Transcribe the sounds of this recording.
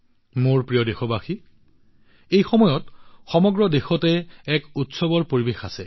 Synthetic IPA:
moɹpɹijɔdexɔbaxi | ejxɔmɔjɔtxɔmɔɡɹɔdexɔtɛɛkutsɔbɔɹpoɹibexasɛ

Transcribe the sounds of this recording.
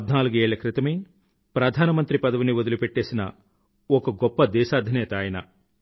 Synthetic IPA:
d̪naːluɡe̞ːɭɐkɾɪt̪ɐmɐj | pɾɐd̪ʱaːnɐmɐnt̪ɾipɐd̪ɐʋuniʋod̪ulupeʈːe̞ːsinɐ | ɔkɐɡɔpːɐd̪ɛːʃaːd̪ʱinɛːt̪aːjɐnɐ

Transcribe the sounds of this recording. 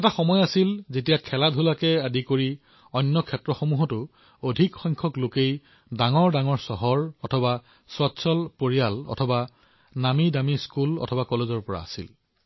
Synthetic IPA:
ɛtaxɔmɔjasilzetijakʰɛladʱulakɛadikoɹi | ɔjnːɔkʰɛtɹɔxomuɦɔtʊ | odʱikxɔjŋkʰɔklokej | daŋɔɹdaŋɔɹsɔɦɔɹɔtʰɔba | swatsʰɔlpoɹijalɔ̰tʰɔba | namidamiskulɔ̰tʰɔbakɔlezɔɹpɔɹa̰a̰sḭl

